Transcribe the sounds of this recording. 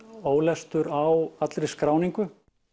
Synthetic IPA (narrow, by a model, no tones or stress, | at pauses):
oːwlɛst̪ʏɾawat̪lɾɪskɾaːwniŋkʏ